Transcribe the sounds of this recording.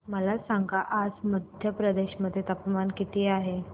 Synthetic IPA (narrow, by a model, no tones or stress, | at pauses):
məlasaŋɡaʔad͡zməd̪ʱjəpɾəd̪eɕməd̪ʱjet̪əpmankit̪ʰiːaɦe